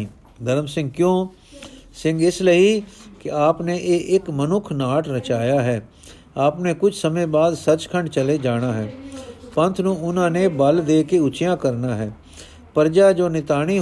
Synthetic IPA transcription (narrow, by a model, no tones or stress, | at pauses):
d̪ʱəɾəmsɪ̃ŋɡ̚kjõː | sɪ̃ŋɡɪsləɦikeaːpneʔeːʔɪkmənʊkʰnaːʈʰɾət͡ʃaːjaɦɛː | aːpnekʊt͡ʃʰsəmẽbaːd̪sɐt͡ʃkʰə̃ɳɖt͡ʃəled͡ʒaːɽ̃aɦɛːpə̃nt̪ʰnũʊnãːnebəld̪eːkeʊt͡ʃjãkəɾnaɦɛː | pəɾd͡ʒaːd͡ʒoːnɪt̪aːɽ̃i